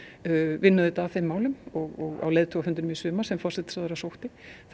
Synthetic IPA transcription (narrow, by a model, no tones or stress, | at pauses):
vɪnːaðʏt̪aθejmːaːwlʏmɔɣɔɣa̰wleːjðt̪ʰɔahʏnt̪ɾnmɪsʏːmḁsɛmfɔrsɛt̪ɪ̥saðɛɾasowht̪ɪθ